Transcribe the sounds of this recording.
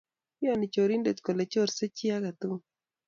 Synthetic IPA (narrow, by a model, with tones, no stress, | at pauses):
ɪ˦a˨nɪ˨t͡ʃo˨ɾi˦nde˨t̪ko˨le˨t͡ʃo˦˨ɾse˦t͡ʃi˦a˦ka˨t̪u˦